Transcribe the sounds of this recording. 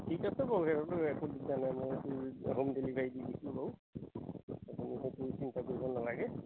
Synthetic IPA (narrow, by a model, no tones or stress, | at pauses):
tʰikasɛbɔwɦɛɹɔtʊɛkʰudizanajmɔjtuɦumdelibʱajdidisubaw | apuniɦetuisintakoɹibɔnːalaɡɛ